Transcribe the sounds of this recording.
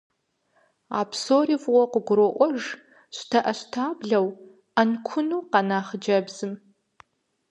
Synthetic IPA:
a̰ːpʰsoːrivwʷɔqʷəɡʷʊɾɔʔʷɔʒ | ɕʷtʰɐʔɐɕtʰaːbɮɐw | ɐnkʷʰʊnuːqɑnaːχəd͡ʒɐbzɨm

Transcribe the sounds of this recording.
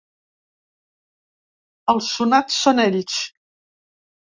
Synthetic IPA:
əlʃunat̪sɔnɛlit͡ʃ

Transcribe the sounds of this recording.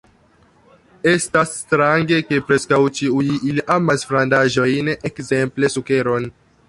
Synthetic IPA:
e̞stasːtɾaŋɡe̞ke̞pɾe̞skawt͡ʃiujʔiliʔamasfɾandaʒo̞jnekze̞mple̞suke̞ɾo̞n

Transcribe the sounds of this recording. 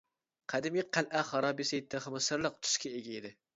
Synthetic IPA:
qʰæd̪ɪmʲiqʰælʔæχɑɾɑbesɛjt̪ʰɨχɨmɨsɨɾlˠəq̚t̪ʰʊ̥ʃkʲɛeɡʲɛɪd̪ɪ

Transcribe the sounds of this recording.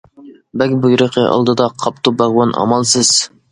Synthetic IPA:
bɛkʲbujɾəqʰəʔɑ̰lˠd̪ɨd̪ɑqʰɑp̚t̪ʰubɑʁwɑnʔɑ̰mɑlˠsɨz̥

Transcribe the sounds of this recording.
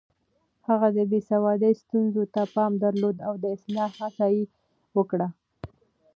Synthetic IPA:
haɣad̪əbesawɑd̪əjst̪unzot̪apɑmd̪aɾlod̪awd̪əɪslɑhasɑji | wəkɽa

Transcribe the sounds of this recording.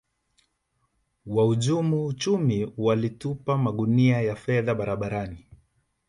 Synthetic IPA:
wauʄumuːt͡ʃumiwalitupamaɠuniajafɛðaɓaɾaɓaɾani

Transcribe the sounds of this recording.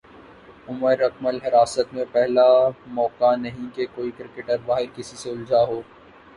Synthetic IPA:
ʊməɾɐk̚məlɦɪɾaːsət̪mẽpɛɦlamɔːkanɐɦĩkekoːikɾɪkeʈəɾbaːɦɪɾkɪsiseʊld͡ʒaːɦoː

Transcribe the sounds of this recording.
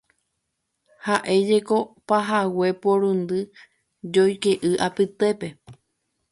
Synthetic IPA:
haʔe̞d͡ʒeko̞paɦawepoɾund̪ɨ | d͡ʒojkeʔɨʔapɨt̪e̞pe̞

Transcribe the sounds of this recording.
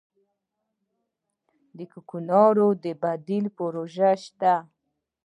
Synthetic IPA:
d̪əkukunɑɾod̪əbad̪ɪlpoɾoʒaʃt̪a

